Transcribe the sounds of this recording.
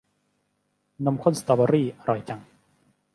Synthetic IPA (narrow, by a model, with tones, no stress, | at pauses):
na˧mkʰo˥nst̪ɔː˧˩ba˧ɾiː˥˩ɾʔɔː˨˩jt͡ɕa˧ŋ